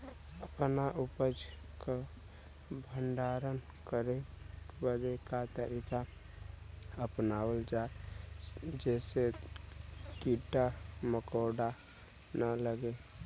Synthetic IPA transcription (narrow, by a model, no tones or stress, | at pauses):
əpnaʔʊpəd͡ʒ | ka | bʱəɳɖaːɾən | kəɾe | bəd̪ekat̪əɾika | əpnaːwəld͡ʒaːe | d͡ʒɛːse | kiʈaməkoːɖa | nələɡe